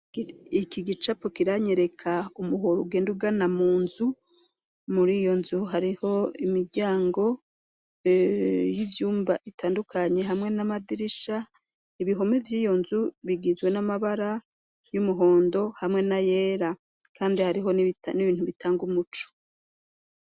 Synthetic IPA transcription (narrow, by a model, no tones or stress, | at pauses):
ikiɡit͡ʃapokiɾaɲe̞ɾe̞kʰaumuɦoɾuɡe̞ːnduɡanamuːnzu | muɾijo̞nzuɦaɾiho̞imiɾɟaːŋɡo̞ | jivjuːmbaʔitaːndukʰaɲe̞ɦamŋe̞namadiɾiʃa | iβiɦo̞mevjiːjo̞nzuβiɡizɡwe̞namaβaɾa | jumuɦo̞ːndo̞hamŋe̞naje̞ːɾa | kʰaːndihaɾiɦo̞nitniβiːnhuβitaːŋɡumut͡ʃo̥